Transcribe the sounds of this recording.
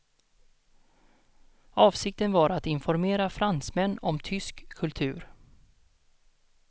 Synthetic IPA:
ɑːvsɪk̚t̪ənvaɾat̪ɪnfɔɾmeːɾafɾansmɛnːɔmt̪ʰʏskʰːɵlt̪ʰʉ̟̰ːɾ

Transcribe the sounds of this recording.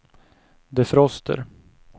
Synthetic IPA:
d̪ɛfɾɔst̪ʰə̰ɾ

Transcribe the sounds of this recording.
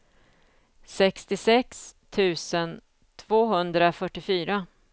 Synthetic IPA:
sɛkst̪ɪsɛkst̪ʰʉ̟ːsən | t̪ʰvoːɦɵnd̪ɾafœʈːɪfyːɾa

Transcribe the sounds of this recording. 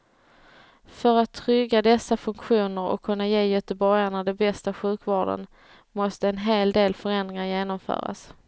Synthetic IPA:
fœɾat̪ʰːɾʏɡːad̪ɛsːafɵŋkɧuːnəɾɔ̰kʰːɵnːajeːjœt̪əbɔɾjaɳad̪ɛbɛst̪aɧʉ̟ːkvɑːɖə̰n | mɔst̪əɛnɦeːld̪eːlfœɾɛnd̪ɾɪŋaɾjeːnɔmfœ̰ːɾa̰s

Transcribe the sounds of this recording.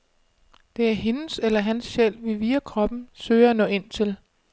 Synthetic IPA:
d̥e̝æɐɦe̝nəselɐɦænsɕel̰ʋe̝ʋiːækʰʁɒ̽b̥n̩søɪɐænɔ̰̽ːe̝n̰t͡sʰe̝l

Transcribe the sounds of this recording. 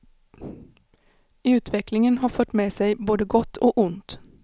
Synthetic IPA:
ʉːt̪ʰʋɪklɪŋənhɑːfœʈ̪meːseɪboːd̪əɡɔt̪ʰoːʔʊnt̪

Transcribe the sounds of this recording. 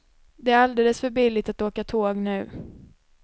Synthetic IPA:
d̪ɛæɾald̪eːləsfœɾbɪlːɪt̪at̪oːkat̪ʰoːɡnʉ̟ː

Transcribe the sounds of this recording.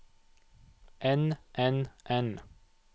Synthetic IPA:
ʔɛnʔɛnʔɛn

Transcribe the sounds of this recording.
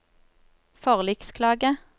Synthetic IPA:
fɔʁlɪkskʰlɑːɡə

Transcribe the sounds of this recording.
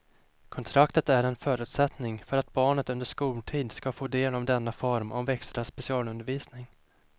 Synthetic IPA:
kʰɔnt̪ʰɾakt̪ət̪æɾɛnfœːɾʉ̟ːt̪sɛt̪nɪŋfœɾat̪̚bɑːɳət̪ɵnd̪əʂkuːlʈʰiːd̪skafoːd̪eːlɔmd̪ɛnːafɔɾmʔɔ̰mvɛkst̪ɾasːpɛsɪɑːlɵnd̪əɾviːsnɪŋ

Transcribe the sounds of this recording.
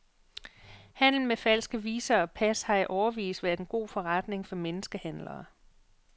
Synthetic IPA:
hæn̰l̩n̩mefæl̰sɡ̥əʋiːsɐɒ̽pʰæshɑ̈æʔɒʊɐʋḭːsdʋæɐdenɡ̥o̝̰ːfɒʁɑd̥ne̝ŋfɒ̽menəsɡ̥əhæn̰lɐː

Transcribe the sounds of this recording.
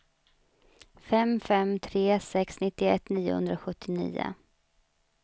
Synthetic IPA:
fɛmfɛmt̪ʰɾeːsɛksnɪt̪ːɪɛt̪niːʊ̰hɵ̰nd̪ɾaɧɵt̪ʰːɪnḭːʊ̰

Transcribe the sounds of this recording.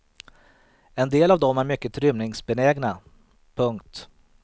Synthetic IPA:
ɛnd̪eːlavd̪ɔmæɾmʏkːət̪ʰɾʏmnɪŋsbɛnɛːɡna | pʰɵŋkt̪

